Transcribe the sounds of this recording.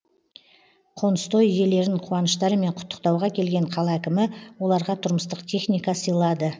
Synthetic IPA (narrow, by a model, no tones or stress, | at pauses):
qʰo̞nəst̪o̞jje̞le̞ɾɪɴqʰuwɑnəʃt̪ɑɾəme̞ɴqʰʊ̥t̪ːə̥q̚t̪ɑwʁɑkʲʰe̞lɡʲe̞ɴqʰɑlˠɑækʲɪmɪwo̞lˠɑɾʁɑt̪ʰʊɾməst̪əqt̪ʲʰe̞χnʲijkɑsəjlˠɑd̪ə